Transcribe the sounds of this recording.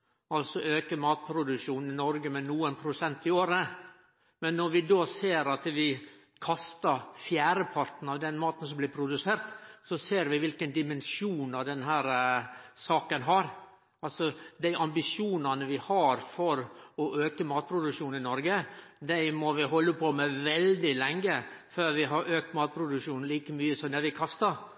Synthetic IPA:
ɑlsɔʔøːkəmɑːt̪̚pʰɾʊd̪ʉʂuːn̩ɪnɔɾɡəmɛnuːənpʰɾʊsɛnt̪ɪoːɾə | mɛnːɔɾʋɪd̪oːseːɾɑt̪ʋɪ | kʰɑst̪ɑɾfjæːɾəpʰɑɾt̪n̩ɑʋd̪ɛnmɑːt̪ən̩sɔmblɪːpʰɾʊd̪ʉseːɾt̪sɔseːɾʋɪʋɪlkənd̪ɪmɛnʂuːnɑʋd̪ɛnɦæːɾsɑːkənɦɑɾ | ɑlsɔd̪æɪʔɑmbɪʂuːnɑnəʋɪhɑɾfɔɾɔʔøːkəmɑːt̪̚pʰɾʊd̪ʉkʂuːnɪnɔɾɡəd̪æɪmɔʋɪɦɔlːəpʰɔmɛʋɛld̪ɪlɛŋːəføːɾʋɪɦɑɾʔøːk̚t̪mɑːt̪̚pʰɾʊd̪ʉkʂuːnn̩liːkəmyːəsɔmnæɾʋɪkʰɑst̪ɑɾ

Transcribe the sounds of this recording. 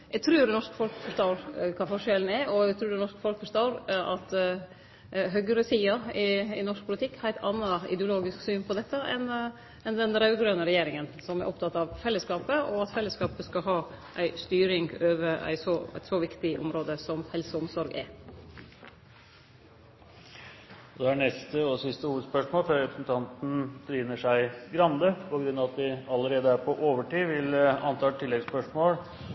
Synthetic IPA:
jɛɡt̪ʰɾʉːɾɛnɔʂkfɔlkfɔʂt̪ɑːɾkʰɑːfɔʂɛln̩æɾɔɛɡt̪ʰɾʉːɖɛnɔʂkəfɔlkəfɔʂt̪ɑːɾɑt̪ | ɦœɡəɾəsiːɑɪɪnɔʂk̚pʰʊlɪt̪ʰɪkːhæɪt̪ɑnːɑɪ̰d̪ɛʊloːɡɪsksyːnpʰɔd̪ɛt̪ːəʔɛ̰n | ɛnd̪ɛnɾɑʉɡ̪ɾœnəɾɛjeːɾɪŋənsɔmæɾʔɔpt̪ʰɑt̪ːɑʋfɛlːəskɑːpəɔɑt̪fɛlːəskɑːpəskɑɦɑːʔæɪst̪yːɾɪŋøːʋəɾæ̰ɪsɔæ̰ɪt̪sɔʋɪkt̪ɪʔʊ̰mɾoːd̪əsɔmhɛlsəʊmsɔɾɡɛ̰ | ɔd̪ɛænɛst̪əɔsɪst̪əhuːʋəd̪spœʂmoːlføːɾɛpʰɾə̥sn̩t̪ʰɑnt̪n̩d̪ɾiːnəʂæɪɡɾɑnd̪əpʰɔɡɾʉnːɑʋɑt̪ʋɪɑləɾeːd̪əæɾpʰɔʔoːʋəʈiːʋɪlɑnt̪ʰɑːʈʰɪlːɛɡspœʂmoːl

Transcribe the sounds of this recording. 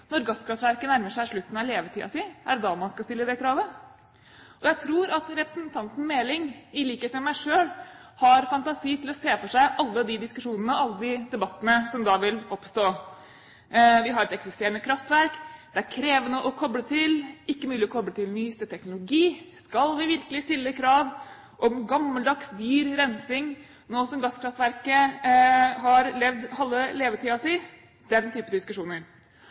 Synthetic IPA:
nɔɾɡɑskɾɑft̪ʋæɾkənæɾməʂæɪʂɭʉt̪ːn̩ɑleːʋət̪ʰiːɑ̰sɪæɖd̪ɑmɑnskɑst̪ɪlːəd̪ɛkʰɾɑːʋə | ɔjæɪt̪ʰɾuːɾɑt̪ɾɛpɾəsnt̪ʰɑnt̪n̩meːlɪŋɪliːkheːt̪əmɛmæɪʂøːlhɑɾfɑnt̪ɑsiːt̪ʰɪlɔseːfɔʂæɪʔɑlːəd̪ɪd̪ɪskʉʂuːnənəɑlːəd̪ɪd̪ɛbɑt̪ːənəsɔmd̪ɑʋɪlɔpst̪oː | ʋɪɦɑɾɛt̪ɛksɪst̪eːɾənəkʰɾɑft̪ʋæɾkd̪̥ɛæɾkʰɾeːʋənəʔɔkʰɔbɽət̪ʰɪlɪkːəmʉːlɪɔkʰɔbɽət̪ʰɪlnyːst̪ət̪ʰɛknʊlʊɡiːskɑlʋɪʋɪɾkəlɪst̪ɪlːəkʰɾɑːʋ | ʔɔmɡɑmːəld̪ɑksd̪yːɾɾɛnsɪŋ | noːsɔmɡɑskʰɾɑft̪ʋæɾkə | ɦɑɾlɛʋd̪hɑlːəleːʋət̪ʰiːɑsi | d̪̥ɛnt̪ʰyːpəd̪ɪskʉʂuːnəɾ

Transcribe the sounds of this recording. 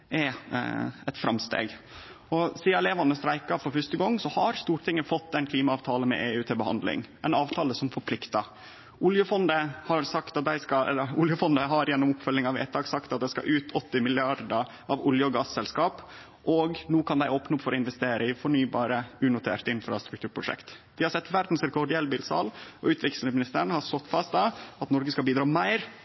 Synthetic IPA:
ɛ | ɛt̪fɾɑmst̪ḛːɡ | ɔsiːɑɛleːʋɑnəst̪ɾæɪkɑfɔɾfœʂt̪əɡɔŋːsɔhɑɾst̪uːɾʈ̪ʰɪŋːəfɔt̪ːɛnkʰliːmɑɑːʋt̪ʰɑːlənmɛ̰ʔeːʉːt̪ʰeːbəhɑ̰nd̪lɪ̰ŋæɛɪnɑːʋt̪ʰɑːləsɔmfɔɾpʰlɪkt̪ɑ | ʔʊljəfɔnd̪əhɑɾsɑkt̪ɑt̪̚d̪æɪskɑɛ̰lːəɾʊljəfɔnd̪əɦɑɾjɛnːʊmʊpfœlːɪŋɑʋæ̰ɪt̪ʰɑːksɑkt̪ɑt̪̚d̪æɪskɑ̰ʔʉːt̪ʰɔt̪ːɪmɪlɪɑɾd̪ə | ɑʋʊljəɔɡɑːssɛlskɑːp | ʔɔɡnuːkʰɑnd̪æɪoːpnəʊpːfɔɾɔɪnʋɛst̪eːɾʔəɪfɔɳyːbɑːɾəʉːnʊt̪ʰḛːɾt̪ɪnfɾɑ̰st̪ɾʉk̚t̪ʉːɾpʰɾʊʂɛ̰kt̪d̪ɪhɑɾsɛt̪ːʋæɾd̪n̩sɾɛkʰɔɖɪɛlbiːlsɑ̰ːlɔʉːt̪ʋɪksl̩əmɪnɪst̪əɾɳəhɑɾst̪ɔt̪ːfɑst̪̚d̪ɑɑt̪nɔɾɡəskɑlbiːd̪ɾɑːmæɪɾ

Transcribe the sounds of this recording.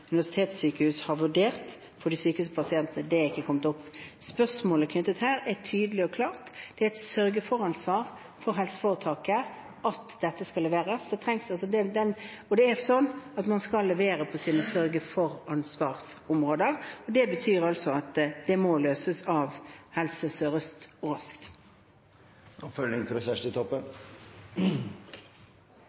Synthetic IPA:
ʉnɪʋæʂɪ̥t̪ʰeːt̪sːyːkəhʉːshɑʁʋʉɖeːʁt̪ | fɔd̪ɪsyːkəʉspʰɑsɪɛnt̪ənəd̪ɛɾɪkːəkʰɔmət̪ʊpːspœsmoːləkʰnʏt̪ːət̪hæːɾɛt̪ʰyːd̪əlɪɔkʰlɑːʁt̪d̪̥ɛæɛt̪sœɾɡəfɔɾɑnsʋɑːɾ | fɔɾɦɛlsə̥foːɾət̪ʰɑːkə | ʔɑt̪d̪ɛt̪ːəskɑlːɛʋeːɾəsd̪ɛt̪ʰɾɛŋsɑlsɔd̪ɛd̪ɛnɔd̪ɛæɾsɔnːɑt̪mɑnskɑlːɛʋeːɾəpʰɔsiːnəsœɾɡəfɔɾɑnsʋɑːʁsʊmʁoːd̪əʁɔd̪ɛbət̪ʰyːʁɑlsɔɑt̪d̪ɛmɔløːsəsɑʋhɛlsəsøːɾəst̪ɔɾɑskt̪ | ʔɔpfœlnɪŋt̪ɪlɛçæʂtət̪ʰɔpːən

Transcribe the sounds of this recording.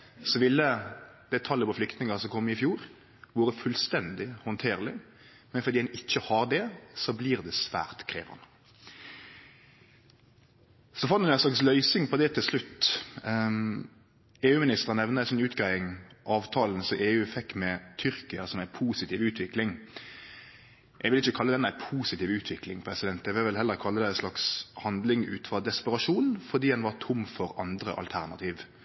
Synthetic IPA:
sɔʋɪlːəd̪̥æt̪ʰɑlːəpɔflʏkt̪nɪŋɑsɔmkʰɔmːɪfjuːɾ | ʋuːɾəfʉlst̪ɛnd̪ɪhɔnt̪ʰeːʁlɪ | mɛnfɔʁd̪iːɛnɪçːəhɑɖ̪ɛsɔbliːʁd̪ɛsʋæ̰ːʁt̪kʰʁḛːʋɑ̰nə | sɔfɑnnæɛnslɑkslœʏsɪŋpʰɔd̪ɛt̪ʰɪlslʉt̪ː | eːʉːmɪnɪst̪əʁənɛʋnəæɪsɔnʉːt̪ɡʁæɪɪŋʔɑːʋt̪ʰɑːln̩sɔʔeːʉːfɛkːmɛt̪ʰʏɾkɪəsɔmæɪpʰuːsɪt̪ʰiːʋʉːt̪ʰʋɪklɪŋ | ʔɛɡʋɪlɪçəkʰɑlːəd̪ɛnæɪpʰuːsɪt̪iːʋʉːt̪ʰʋɪklɪŋpʰʁɛsɪd̪ɛnt̪ɛɡʋɪʋɪlhɛlːəɾkʰɑlːəd̪æɪslɑkshɑnd̪lɪŋʉ̰ːt̪fʁɑd̪ɛspəʁɑʂuːnfɔʁd̪iːhɛnʋɑʁt̪ʰʊmːfɔɾɑnd̪ɾə̰ʔɑ̰lt̪ʰæʁnɑ̰t̪ʰiːʋ

